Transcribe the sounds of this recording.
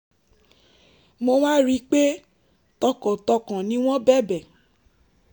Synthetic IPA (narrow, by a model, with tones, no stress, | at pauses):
mo˧mã˦ɾi˦k͡pe˦ | tɔ˧kɔ̃˨tɔ˧kã˨nĩ˦w̃ɔ̃˦bɛ˦˨bɛ˨